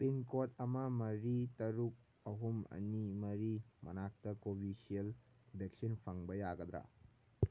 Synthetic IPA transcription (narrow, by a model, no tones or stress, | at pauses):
piŋkotɐmɐmɐɾitɐɾuk̚ | ɐɦumɐ̰nimɐɾimɐ̰nak̚tɐkobʱisiel | bek̚sinpʰɐŋbɐjaɡɐd̪ɾa̰